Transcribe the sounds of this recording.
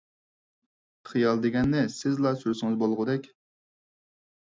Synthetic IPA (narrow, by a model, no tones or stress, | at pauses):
χɨjɑlˠd̪eɡʲɛnːɪsɪzlˠɑsuɾsɪŋɨzbolˠʁʊd̪ɛkʲ